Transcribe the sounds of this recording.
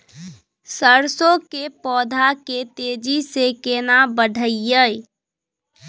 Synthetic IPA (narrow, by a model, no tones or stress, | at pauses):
səɾsõkepɔːd̪ʱaket̪eːd͡ʒisekenabəɖʱəɪjəj